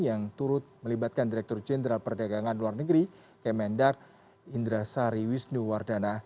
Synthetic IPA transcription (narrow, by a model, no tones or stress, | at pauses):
jaŋt̪uɾʊt̪̚məlibat̪̚kandiɾɛk̚t̪ɔrd͡ʒɛnɾalpərdaɡaŋanluarnəɡɾi | kɛmɛndak̚ | ind̪ɾasaɾiwisnuwardana